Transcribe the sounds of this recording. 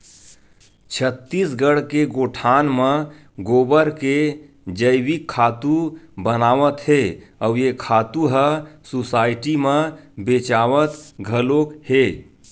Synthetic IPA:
t͡ʃʰət̪ːisɡəɽkeɡoʈʰaːnmə̃ | ɡoːbəɾke | d͡ʒəɪbikʰːaːt̪ubənaːʋət̪ɦeəjekʰaːt̪uɦəsusaːɪʈimə̃bet͡ʃaːʋət̪ɡʱəlokhe

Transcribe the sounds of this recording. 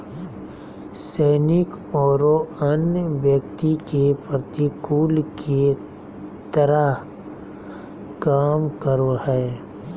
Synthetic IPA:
sɛːnɪk | ɔːɾoənjʋjəkt̪ikepɾət̪ikuːlkʰe | t̪əɾəɦ | kaːmkəɾoɦɛː

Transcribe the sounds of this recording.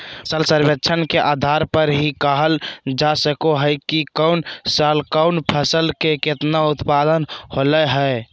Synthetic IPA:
səlsəɾbetːt͡ʃʰənkeʔad̪ʱaɾpəɾɦikəɦəld͡ʒasəkoɦəɪkikəʊnsalkəʊnpʰəsəlkeket̪naut̪pad̪ənholəɦə

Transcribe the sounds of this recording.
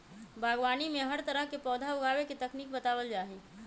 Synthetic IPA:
bʱaːɡwaːnimẽɦəɾt̪əɾəɦkepɔːd̪ʱaʊɡʱaːwekit̪ɐkniːk̚bət̪aːwəld͡ʒaːɦiː

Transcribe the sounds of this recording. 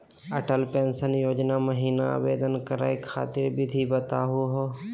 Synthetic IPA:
əʈəlpẽːnsənjoːd͡ʒnaməɦiːna̰ʋeːd̪ənkəɾa̰ːekʰa̰ːt̪ɪɾbʱid̪ʱibət̪aɦʊɦoː

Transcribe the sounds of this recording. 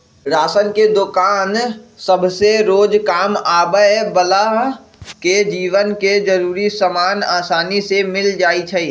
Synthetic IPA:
ɾaːsənked̪ʊkaːnsəbʱseɾoːd͡ʒkaːmaːbəbəlaɦ | ked͡ʒiːʋənked͡ʒəɾuːɾisəmaːnaːsaːnisemɪld͡ʒaːit͡ʃʰɛi

